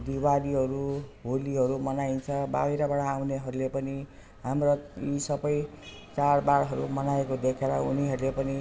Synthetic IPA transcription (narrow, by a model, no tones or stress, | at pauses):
d̪ibaliɦʌɾubʱoliɦʌɾumʌnaint͡sʰʌba̰wiɾabʌɽ̃aːwneɦʌɾulepʌni | ɦamroisʌbʌj | t͡saɽbaɽɦʌɾumʌnaekod̪ekʰeɾʌ̰ṵniɦʌɾulepʌni